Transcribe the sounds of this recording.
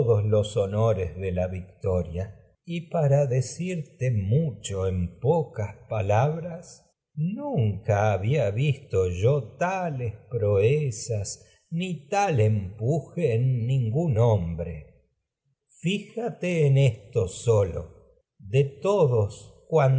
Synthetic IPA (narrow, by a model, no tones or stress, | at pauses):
ðosloso̞noɾezðe̞laβik̚t̪o̞ɾja | ipaɾaðe̞siɾt̪emut͡ʃo̞empokaspalaβɾas | nuŋkaːβiaβist̪o̞ʒo̞t̪alespɾo̞esas | nit̪alempuxeːnːĩŋɡunombɾḛ | fixat̪eːnest̪osolo̰ | ðet̪oðoskwan